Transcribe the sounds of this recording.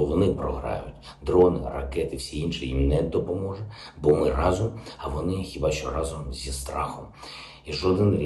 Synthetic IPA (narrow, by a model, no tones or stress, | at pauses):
ɔʋɔnɪpɾɔ̰ɦɾɑ̰jʊtʲ | d̪ɾɔnɪ̰rɐ̰kɛt̪ɪwsʲiinʃɪjimnɛd̪ɔpɔmɔʒɛ | bɔmɪrɑzɔmɐʋɔnɪxʲibɑʃt͡ʃɔ̰ɾɑzɔmzʲist̪ɾɑ̰xɔm | iʒɔd̪ɪnrʲ